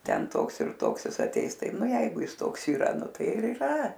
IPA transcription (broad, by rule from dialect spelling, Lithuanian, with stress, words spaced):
ˈtʲɛn ˈtoːks ɪr ˈtoːks ˈjɪs ɐˈtʲɛɪs ˈtɐɪ ˈnʊ ˈjɛɪɡʊ ˈjɪs ˈtoːks iːˈrɐ ˈnʊ ˈtɐɪ ɪr iːˈrɐ